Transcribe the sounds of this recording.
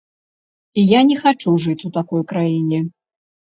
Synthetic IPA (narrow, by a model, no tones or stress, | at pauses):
ijanʲɛxat͡ʂuʐɨt͡sʲut̪akɔjkɾajinʲɛ